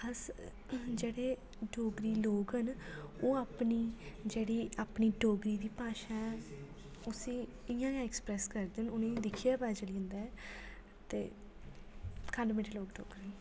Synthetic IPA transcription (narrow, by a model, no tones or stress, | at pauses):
əs | d͡ʒeːɽeː | ɖoːɡɾiːloːɡɦənoːaːpniːd͡ʒeːɽiːaːpniːɖoːɡɾiːd̪iːpaːʃãːɛ | ʊsĩː | ɪjãːjãːɛkspɾɛːskəɾd̪ɪnʊnẽːd̪ɪkʰijaːpɛːt͡ʃəlĩnd̪aː | t̪ḛː | kʰəɳɖmɪʈʰːloːɡʈo̰ːɡɾ